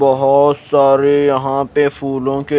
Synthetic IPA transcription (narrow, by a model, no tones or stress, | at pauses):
bɐɦɔt̪saːɾejɐɦãːpefuːlõke